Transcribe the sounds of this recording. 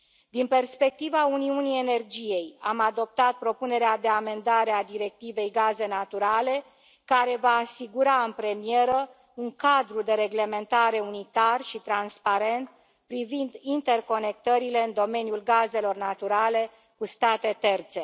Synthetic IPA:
d̪inpe̞rspe̞k̚t̪ivauniunie̞ne̞rd͡ʒije̞jamad̪o̞p̚t̪at̪̚pɾo̞pune̞ɾead̪e̞ame̞nd̪aɾe̞ad̪iɾe̞k̚t̪ive̞jɡaze̞nat̪uɾale̞ | kaɾe̞vaːsiɡuɾaɨnpɾe̞mije̞ɾə | uŋkad̪ɾud̪e̞ɾe̞ɡle̞me̞nt̪aɾe̞unit̪arʃit̪ɾanspaɾe̞nt̪ | pɾivind̪int̪e̞rko̞ne̞k̚t̪əɾile̞ɨnd̪o̞me̞njulɡaze̞lo̞rnat̪uɾale̞ | kust̪at̪e̞t̪e̞rt̪se̞

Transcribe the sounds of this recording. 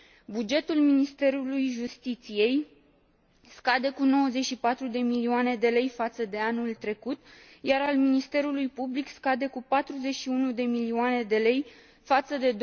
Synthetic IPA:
bud͡ʒe̞t̪ulminist̪e̞ɾulujʒust̪it̪sije̞j | skad̪e̞kuno̞wəze̞t͡ʃʲʃipat̪ɾud̪e̞milioane̞d̪e̞le̞jfat̪səd̪e̞anult̪ɾe̞kut̪jaɾalminist̪e̞ɾulujpublikskad̪e̞kupat̪ɾuze̞ʃiunud̪e̞milioane̞d̪e̞le̞j | fat̪səd̪e̞d̪

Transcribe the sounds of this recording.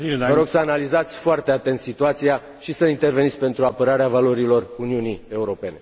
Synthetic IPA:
ivəɾo̞ɡsəanalizat̪sʲfoart̪e̞at̪e̞nt̪sit̪uat̪sija | ʃisəint̪e̞rveit̪sʲpe̞nt̪ɾuapəɾaɾeavalo̞ɾilo̞runiunie̞uɾo̞pe̞ne̞

